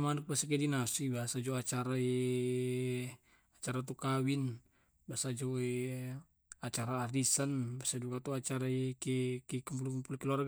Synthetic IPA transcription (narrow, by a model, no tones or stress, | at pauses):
manuk̚basak̬ɛdinasibaɦasad͡ʒoat͡ʃaɾae | at͡ʃaɾat̪ukawin | baasad͡ʒoe | at͡ʃaɾaːdisanbasad͡ʒukat̪uat͡ʃaɾaekɛkikəmpulukəmpulukiluarɡ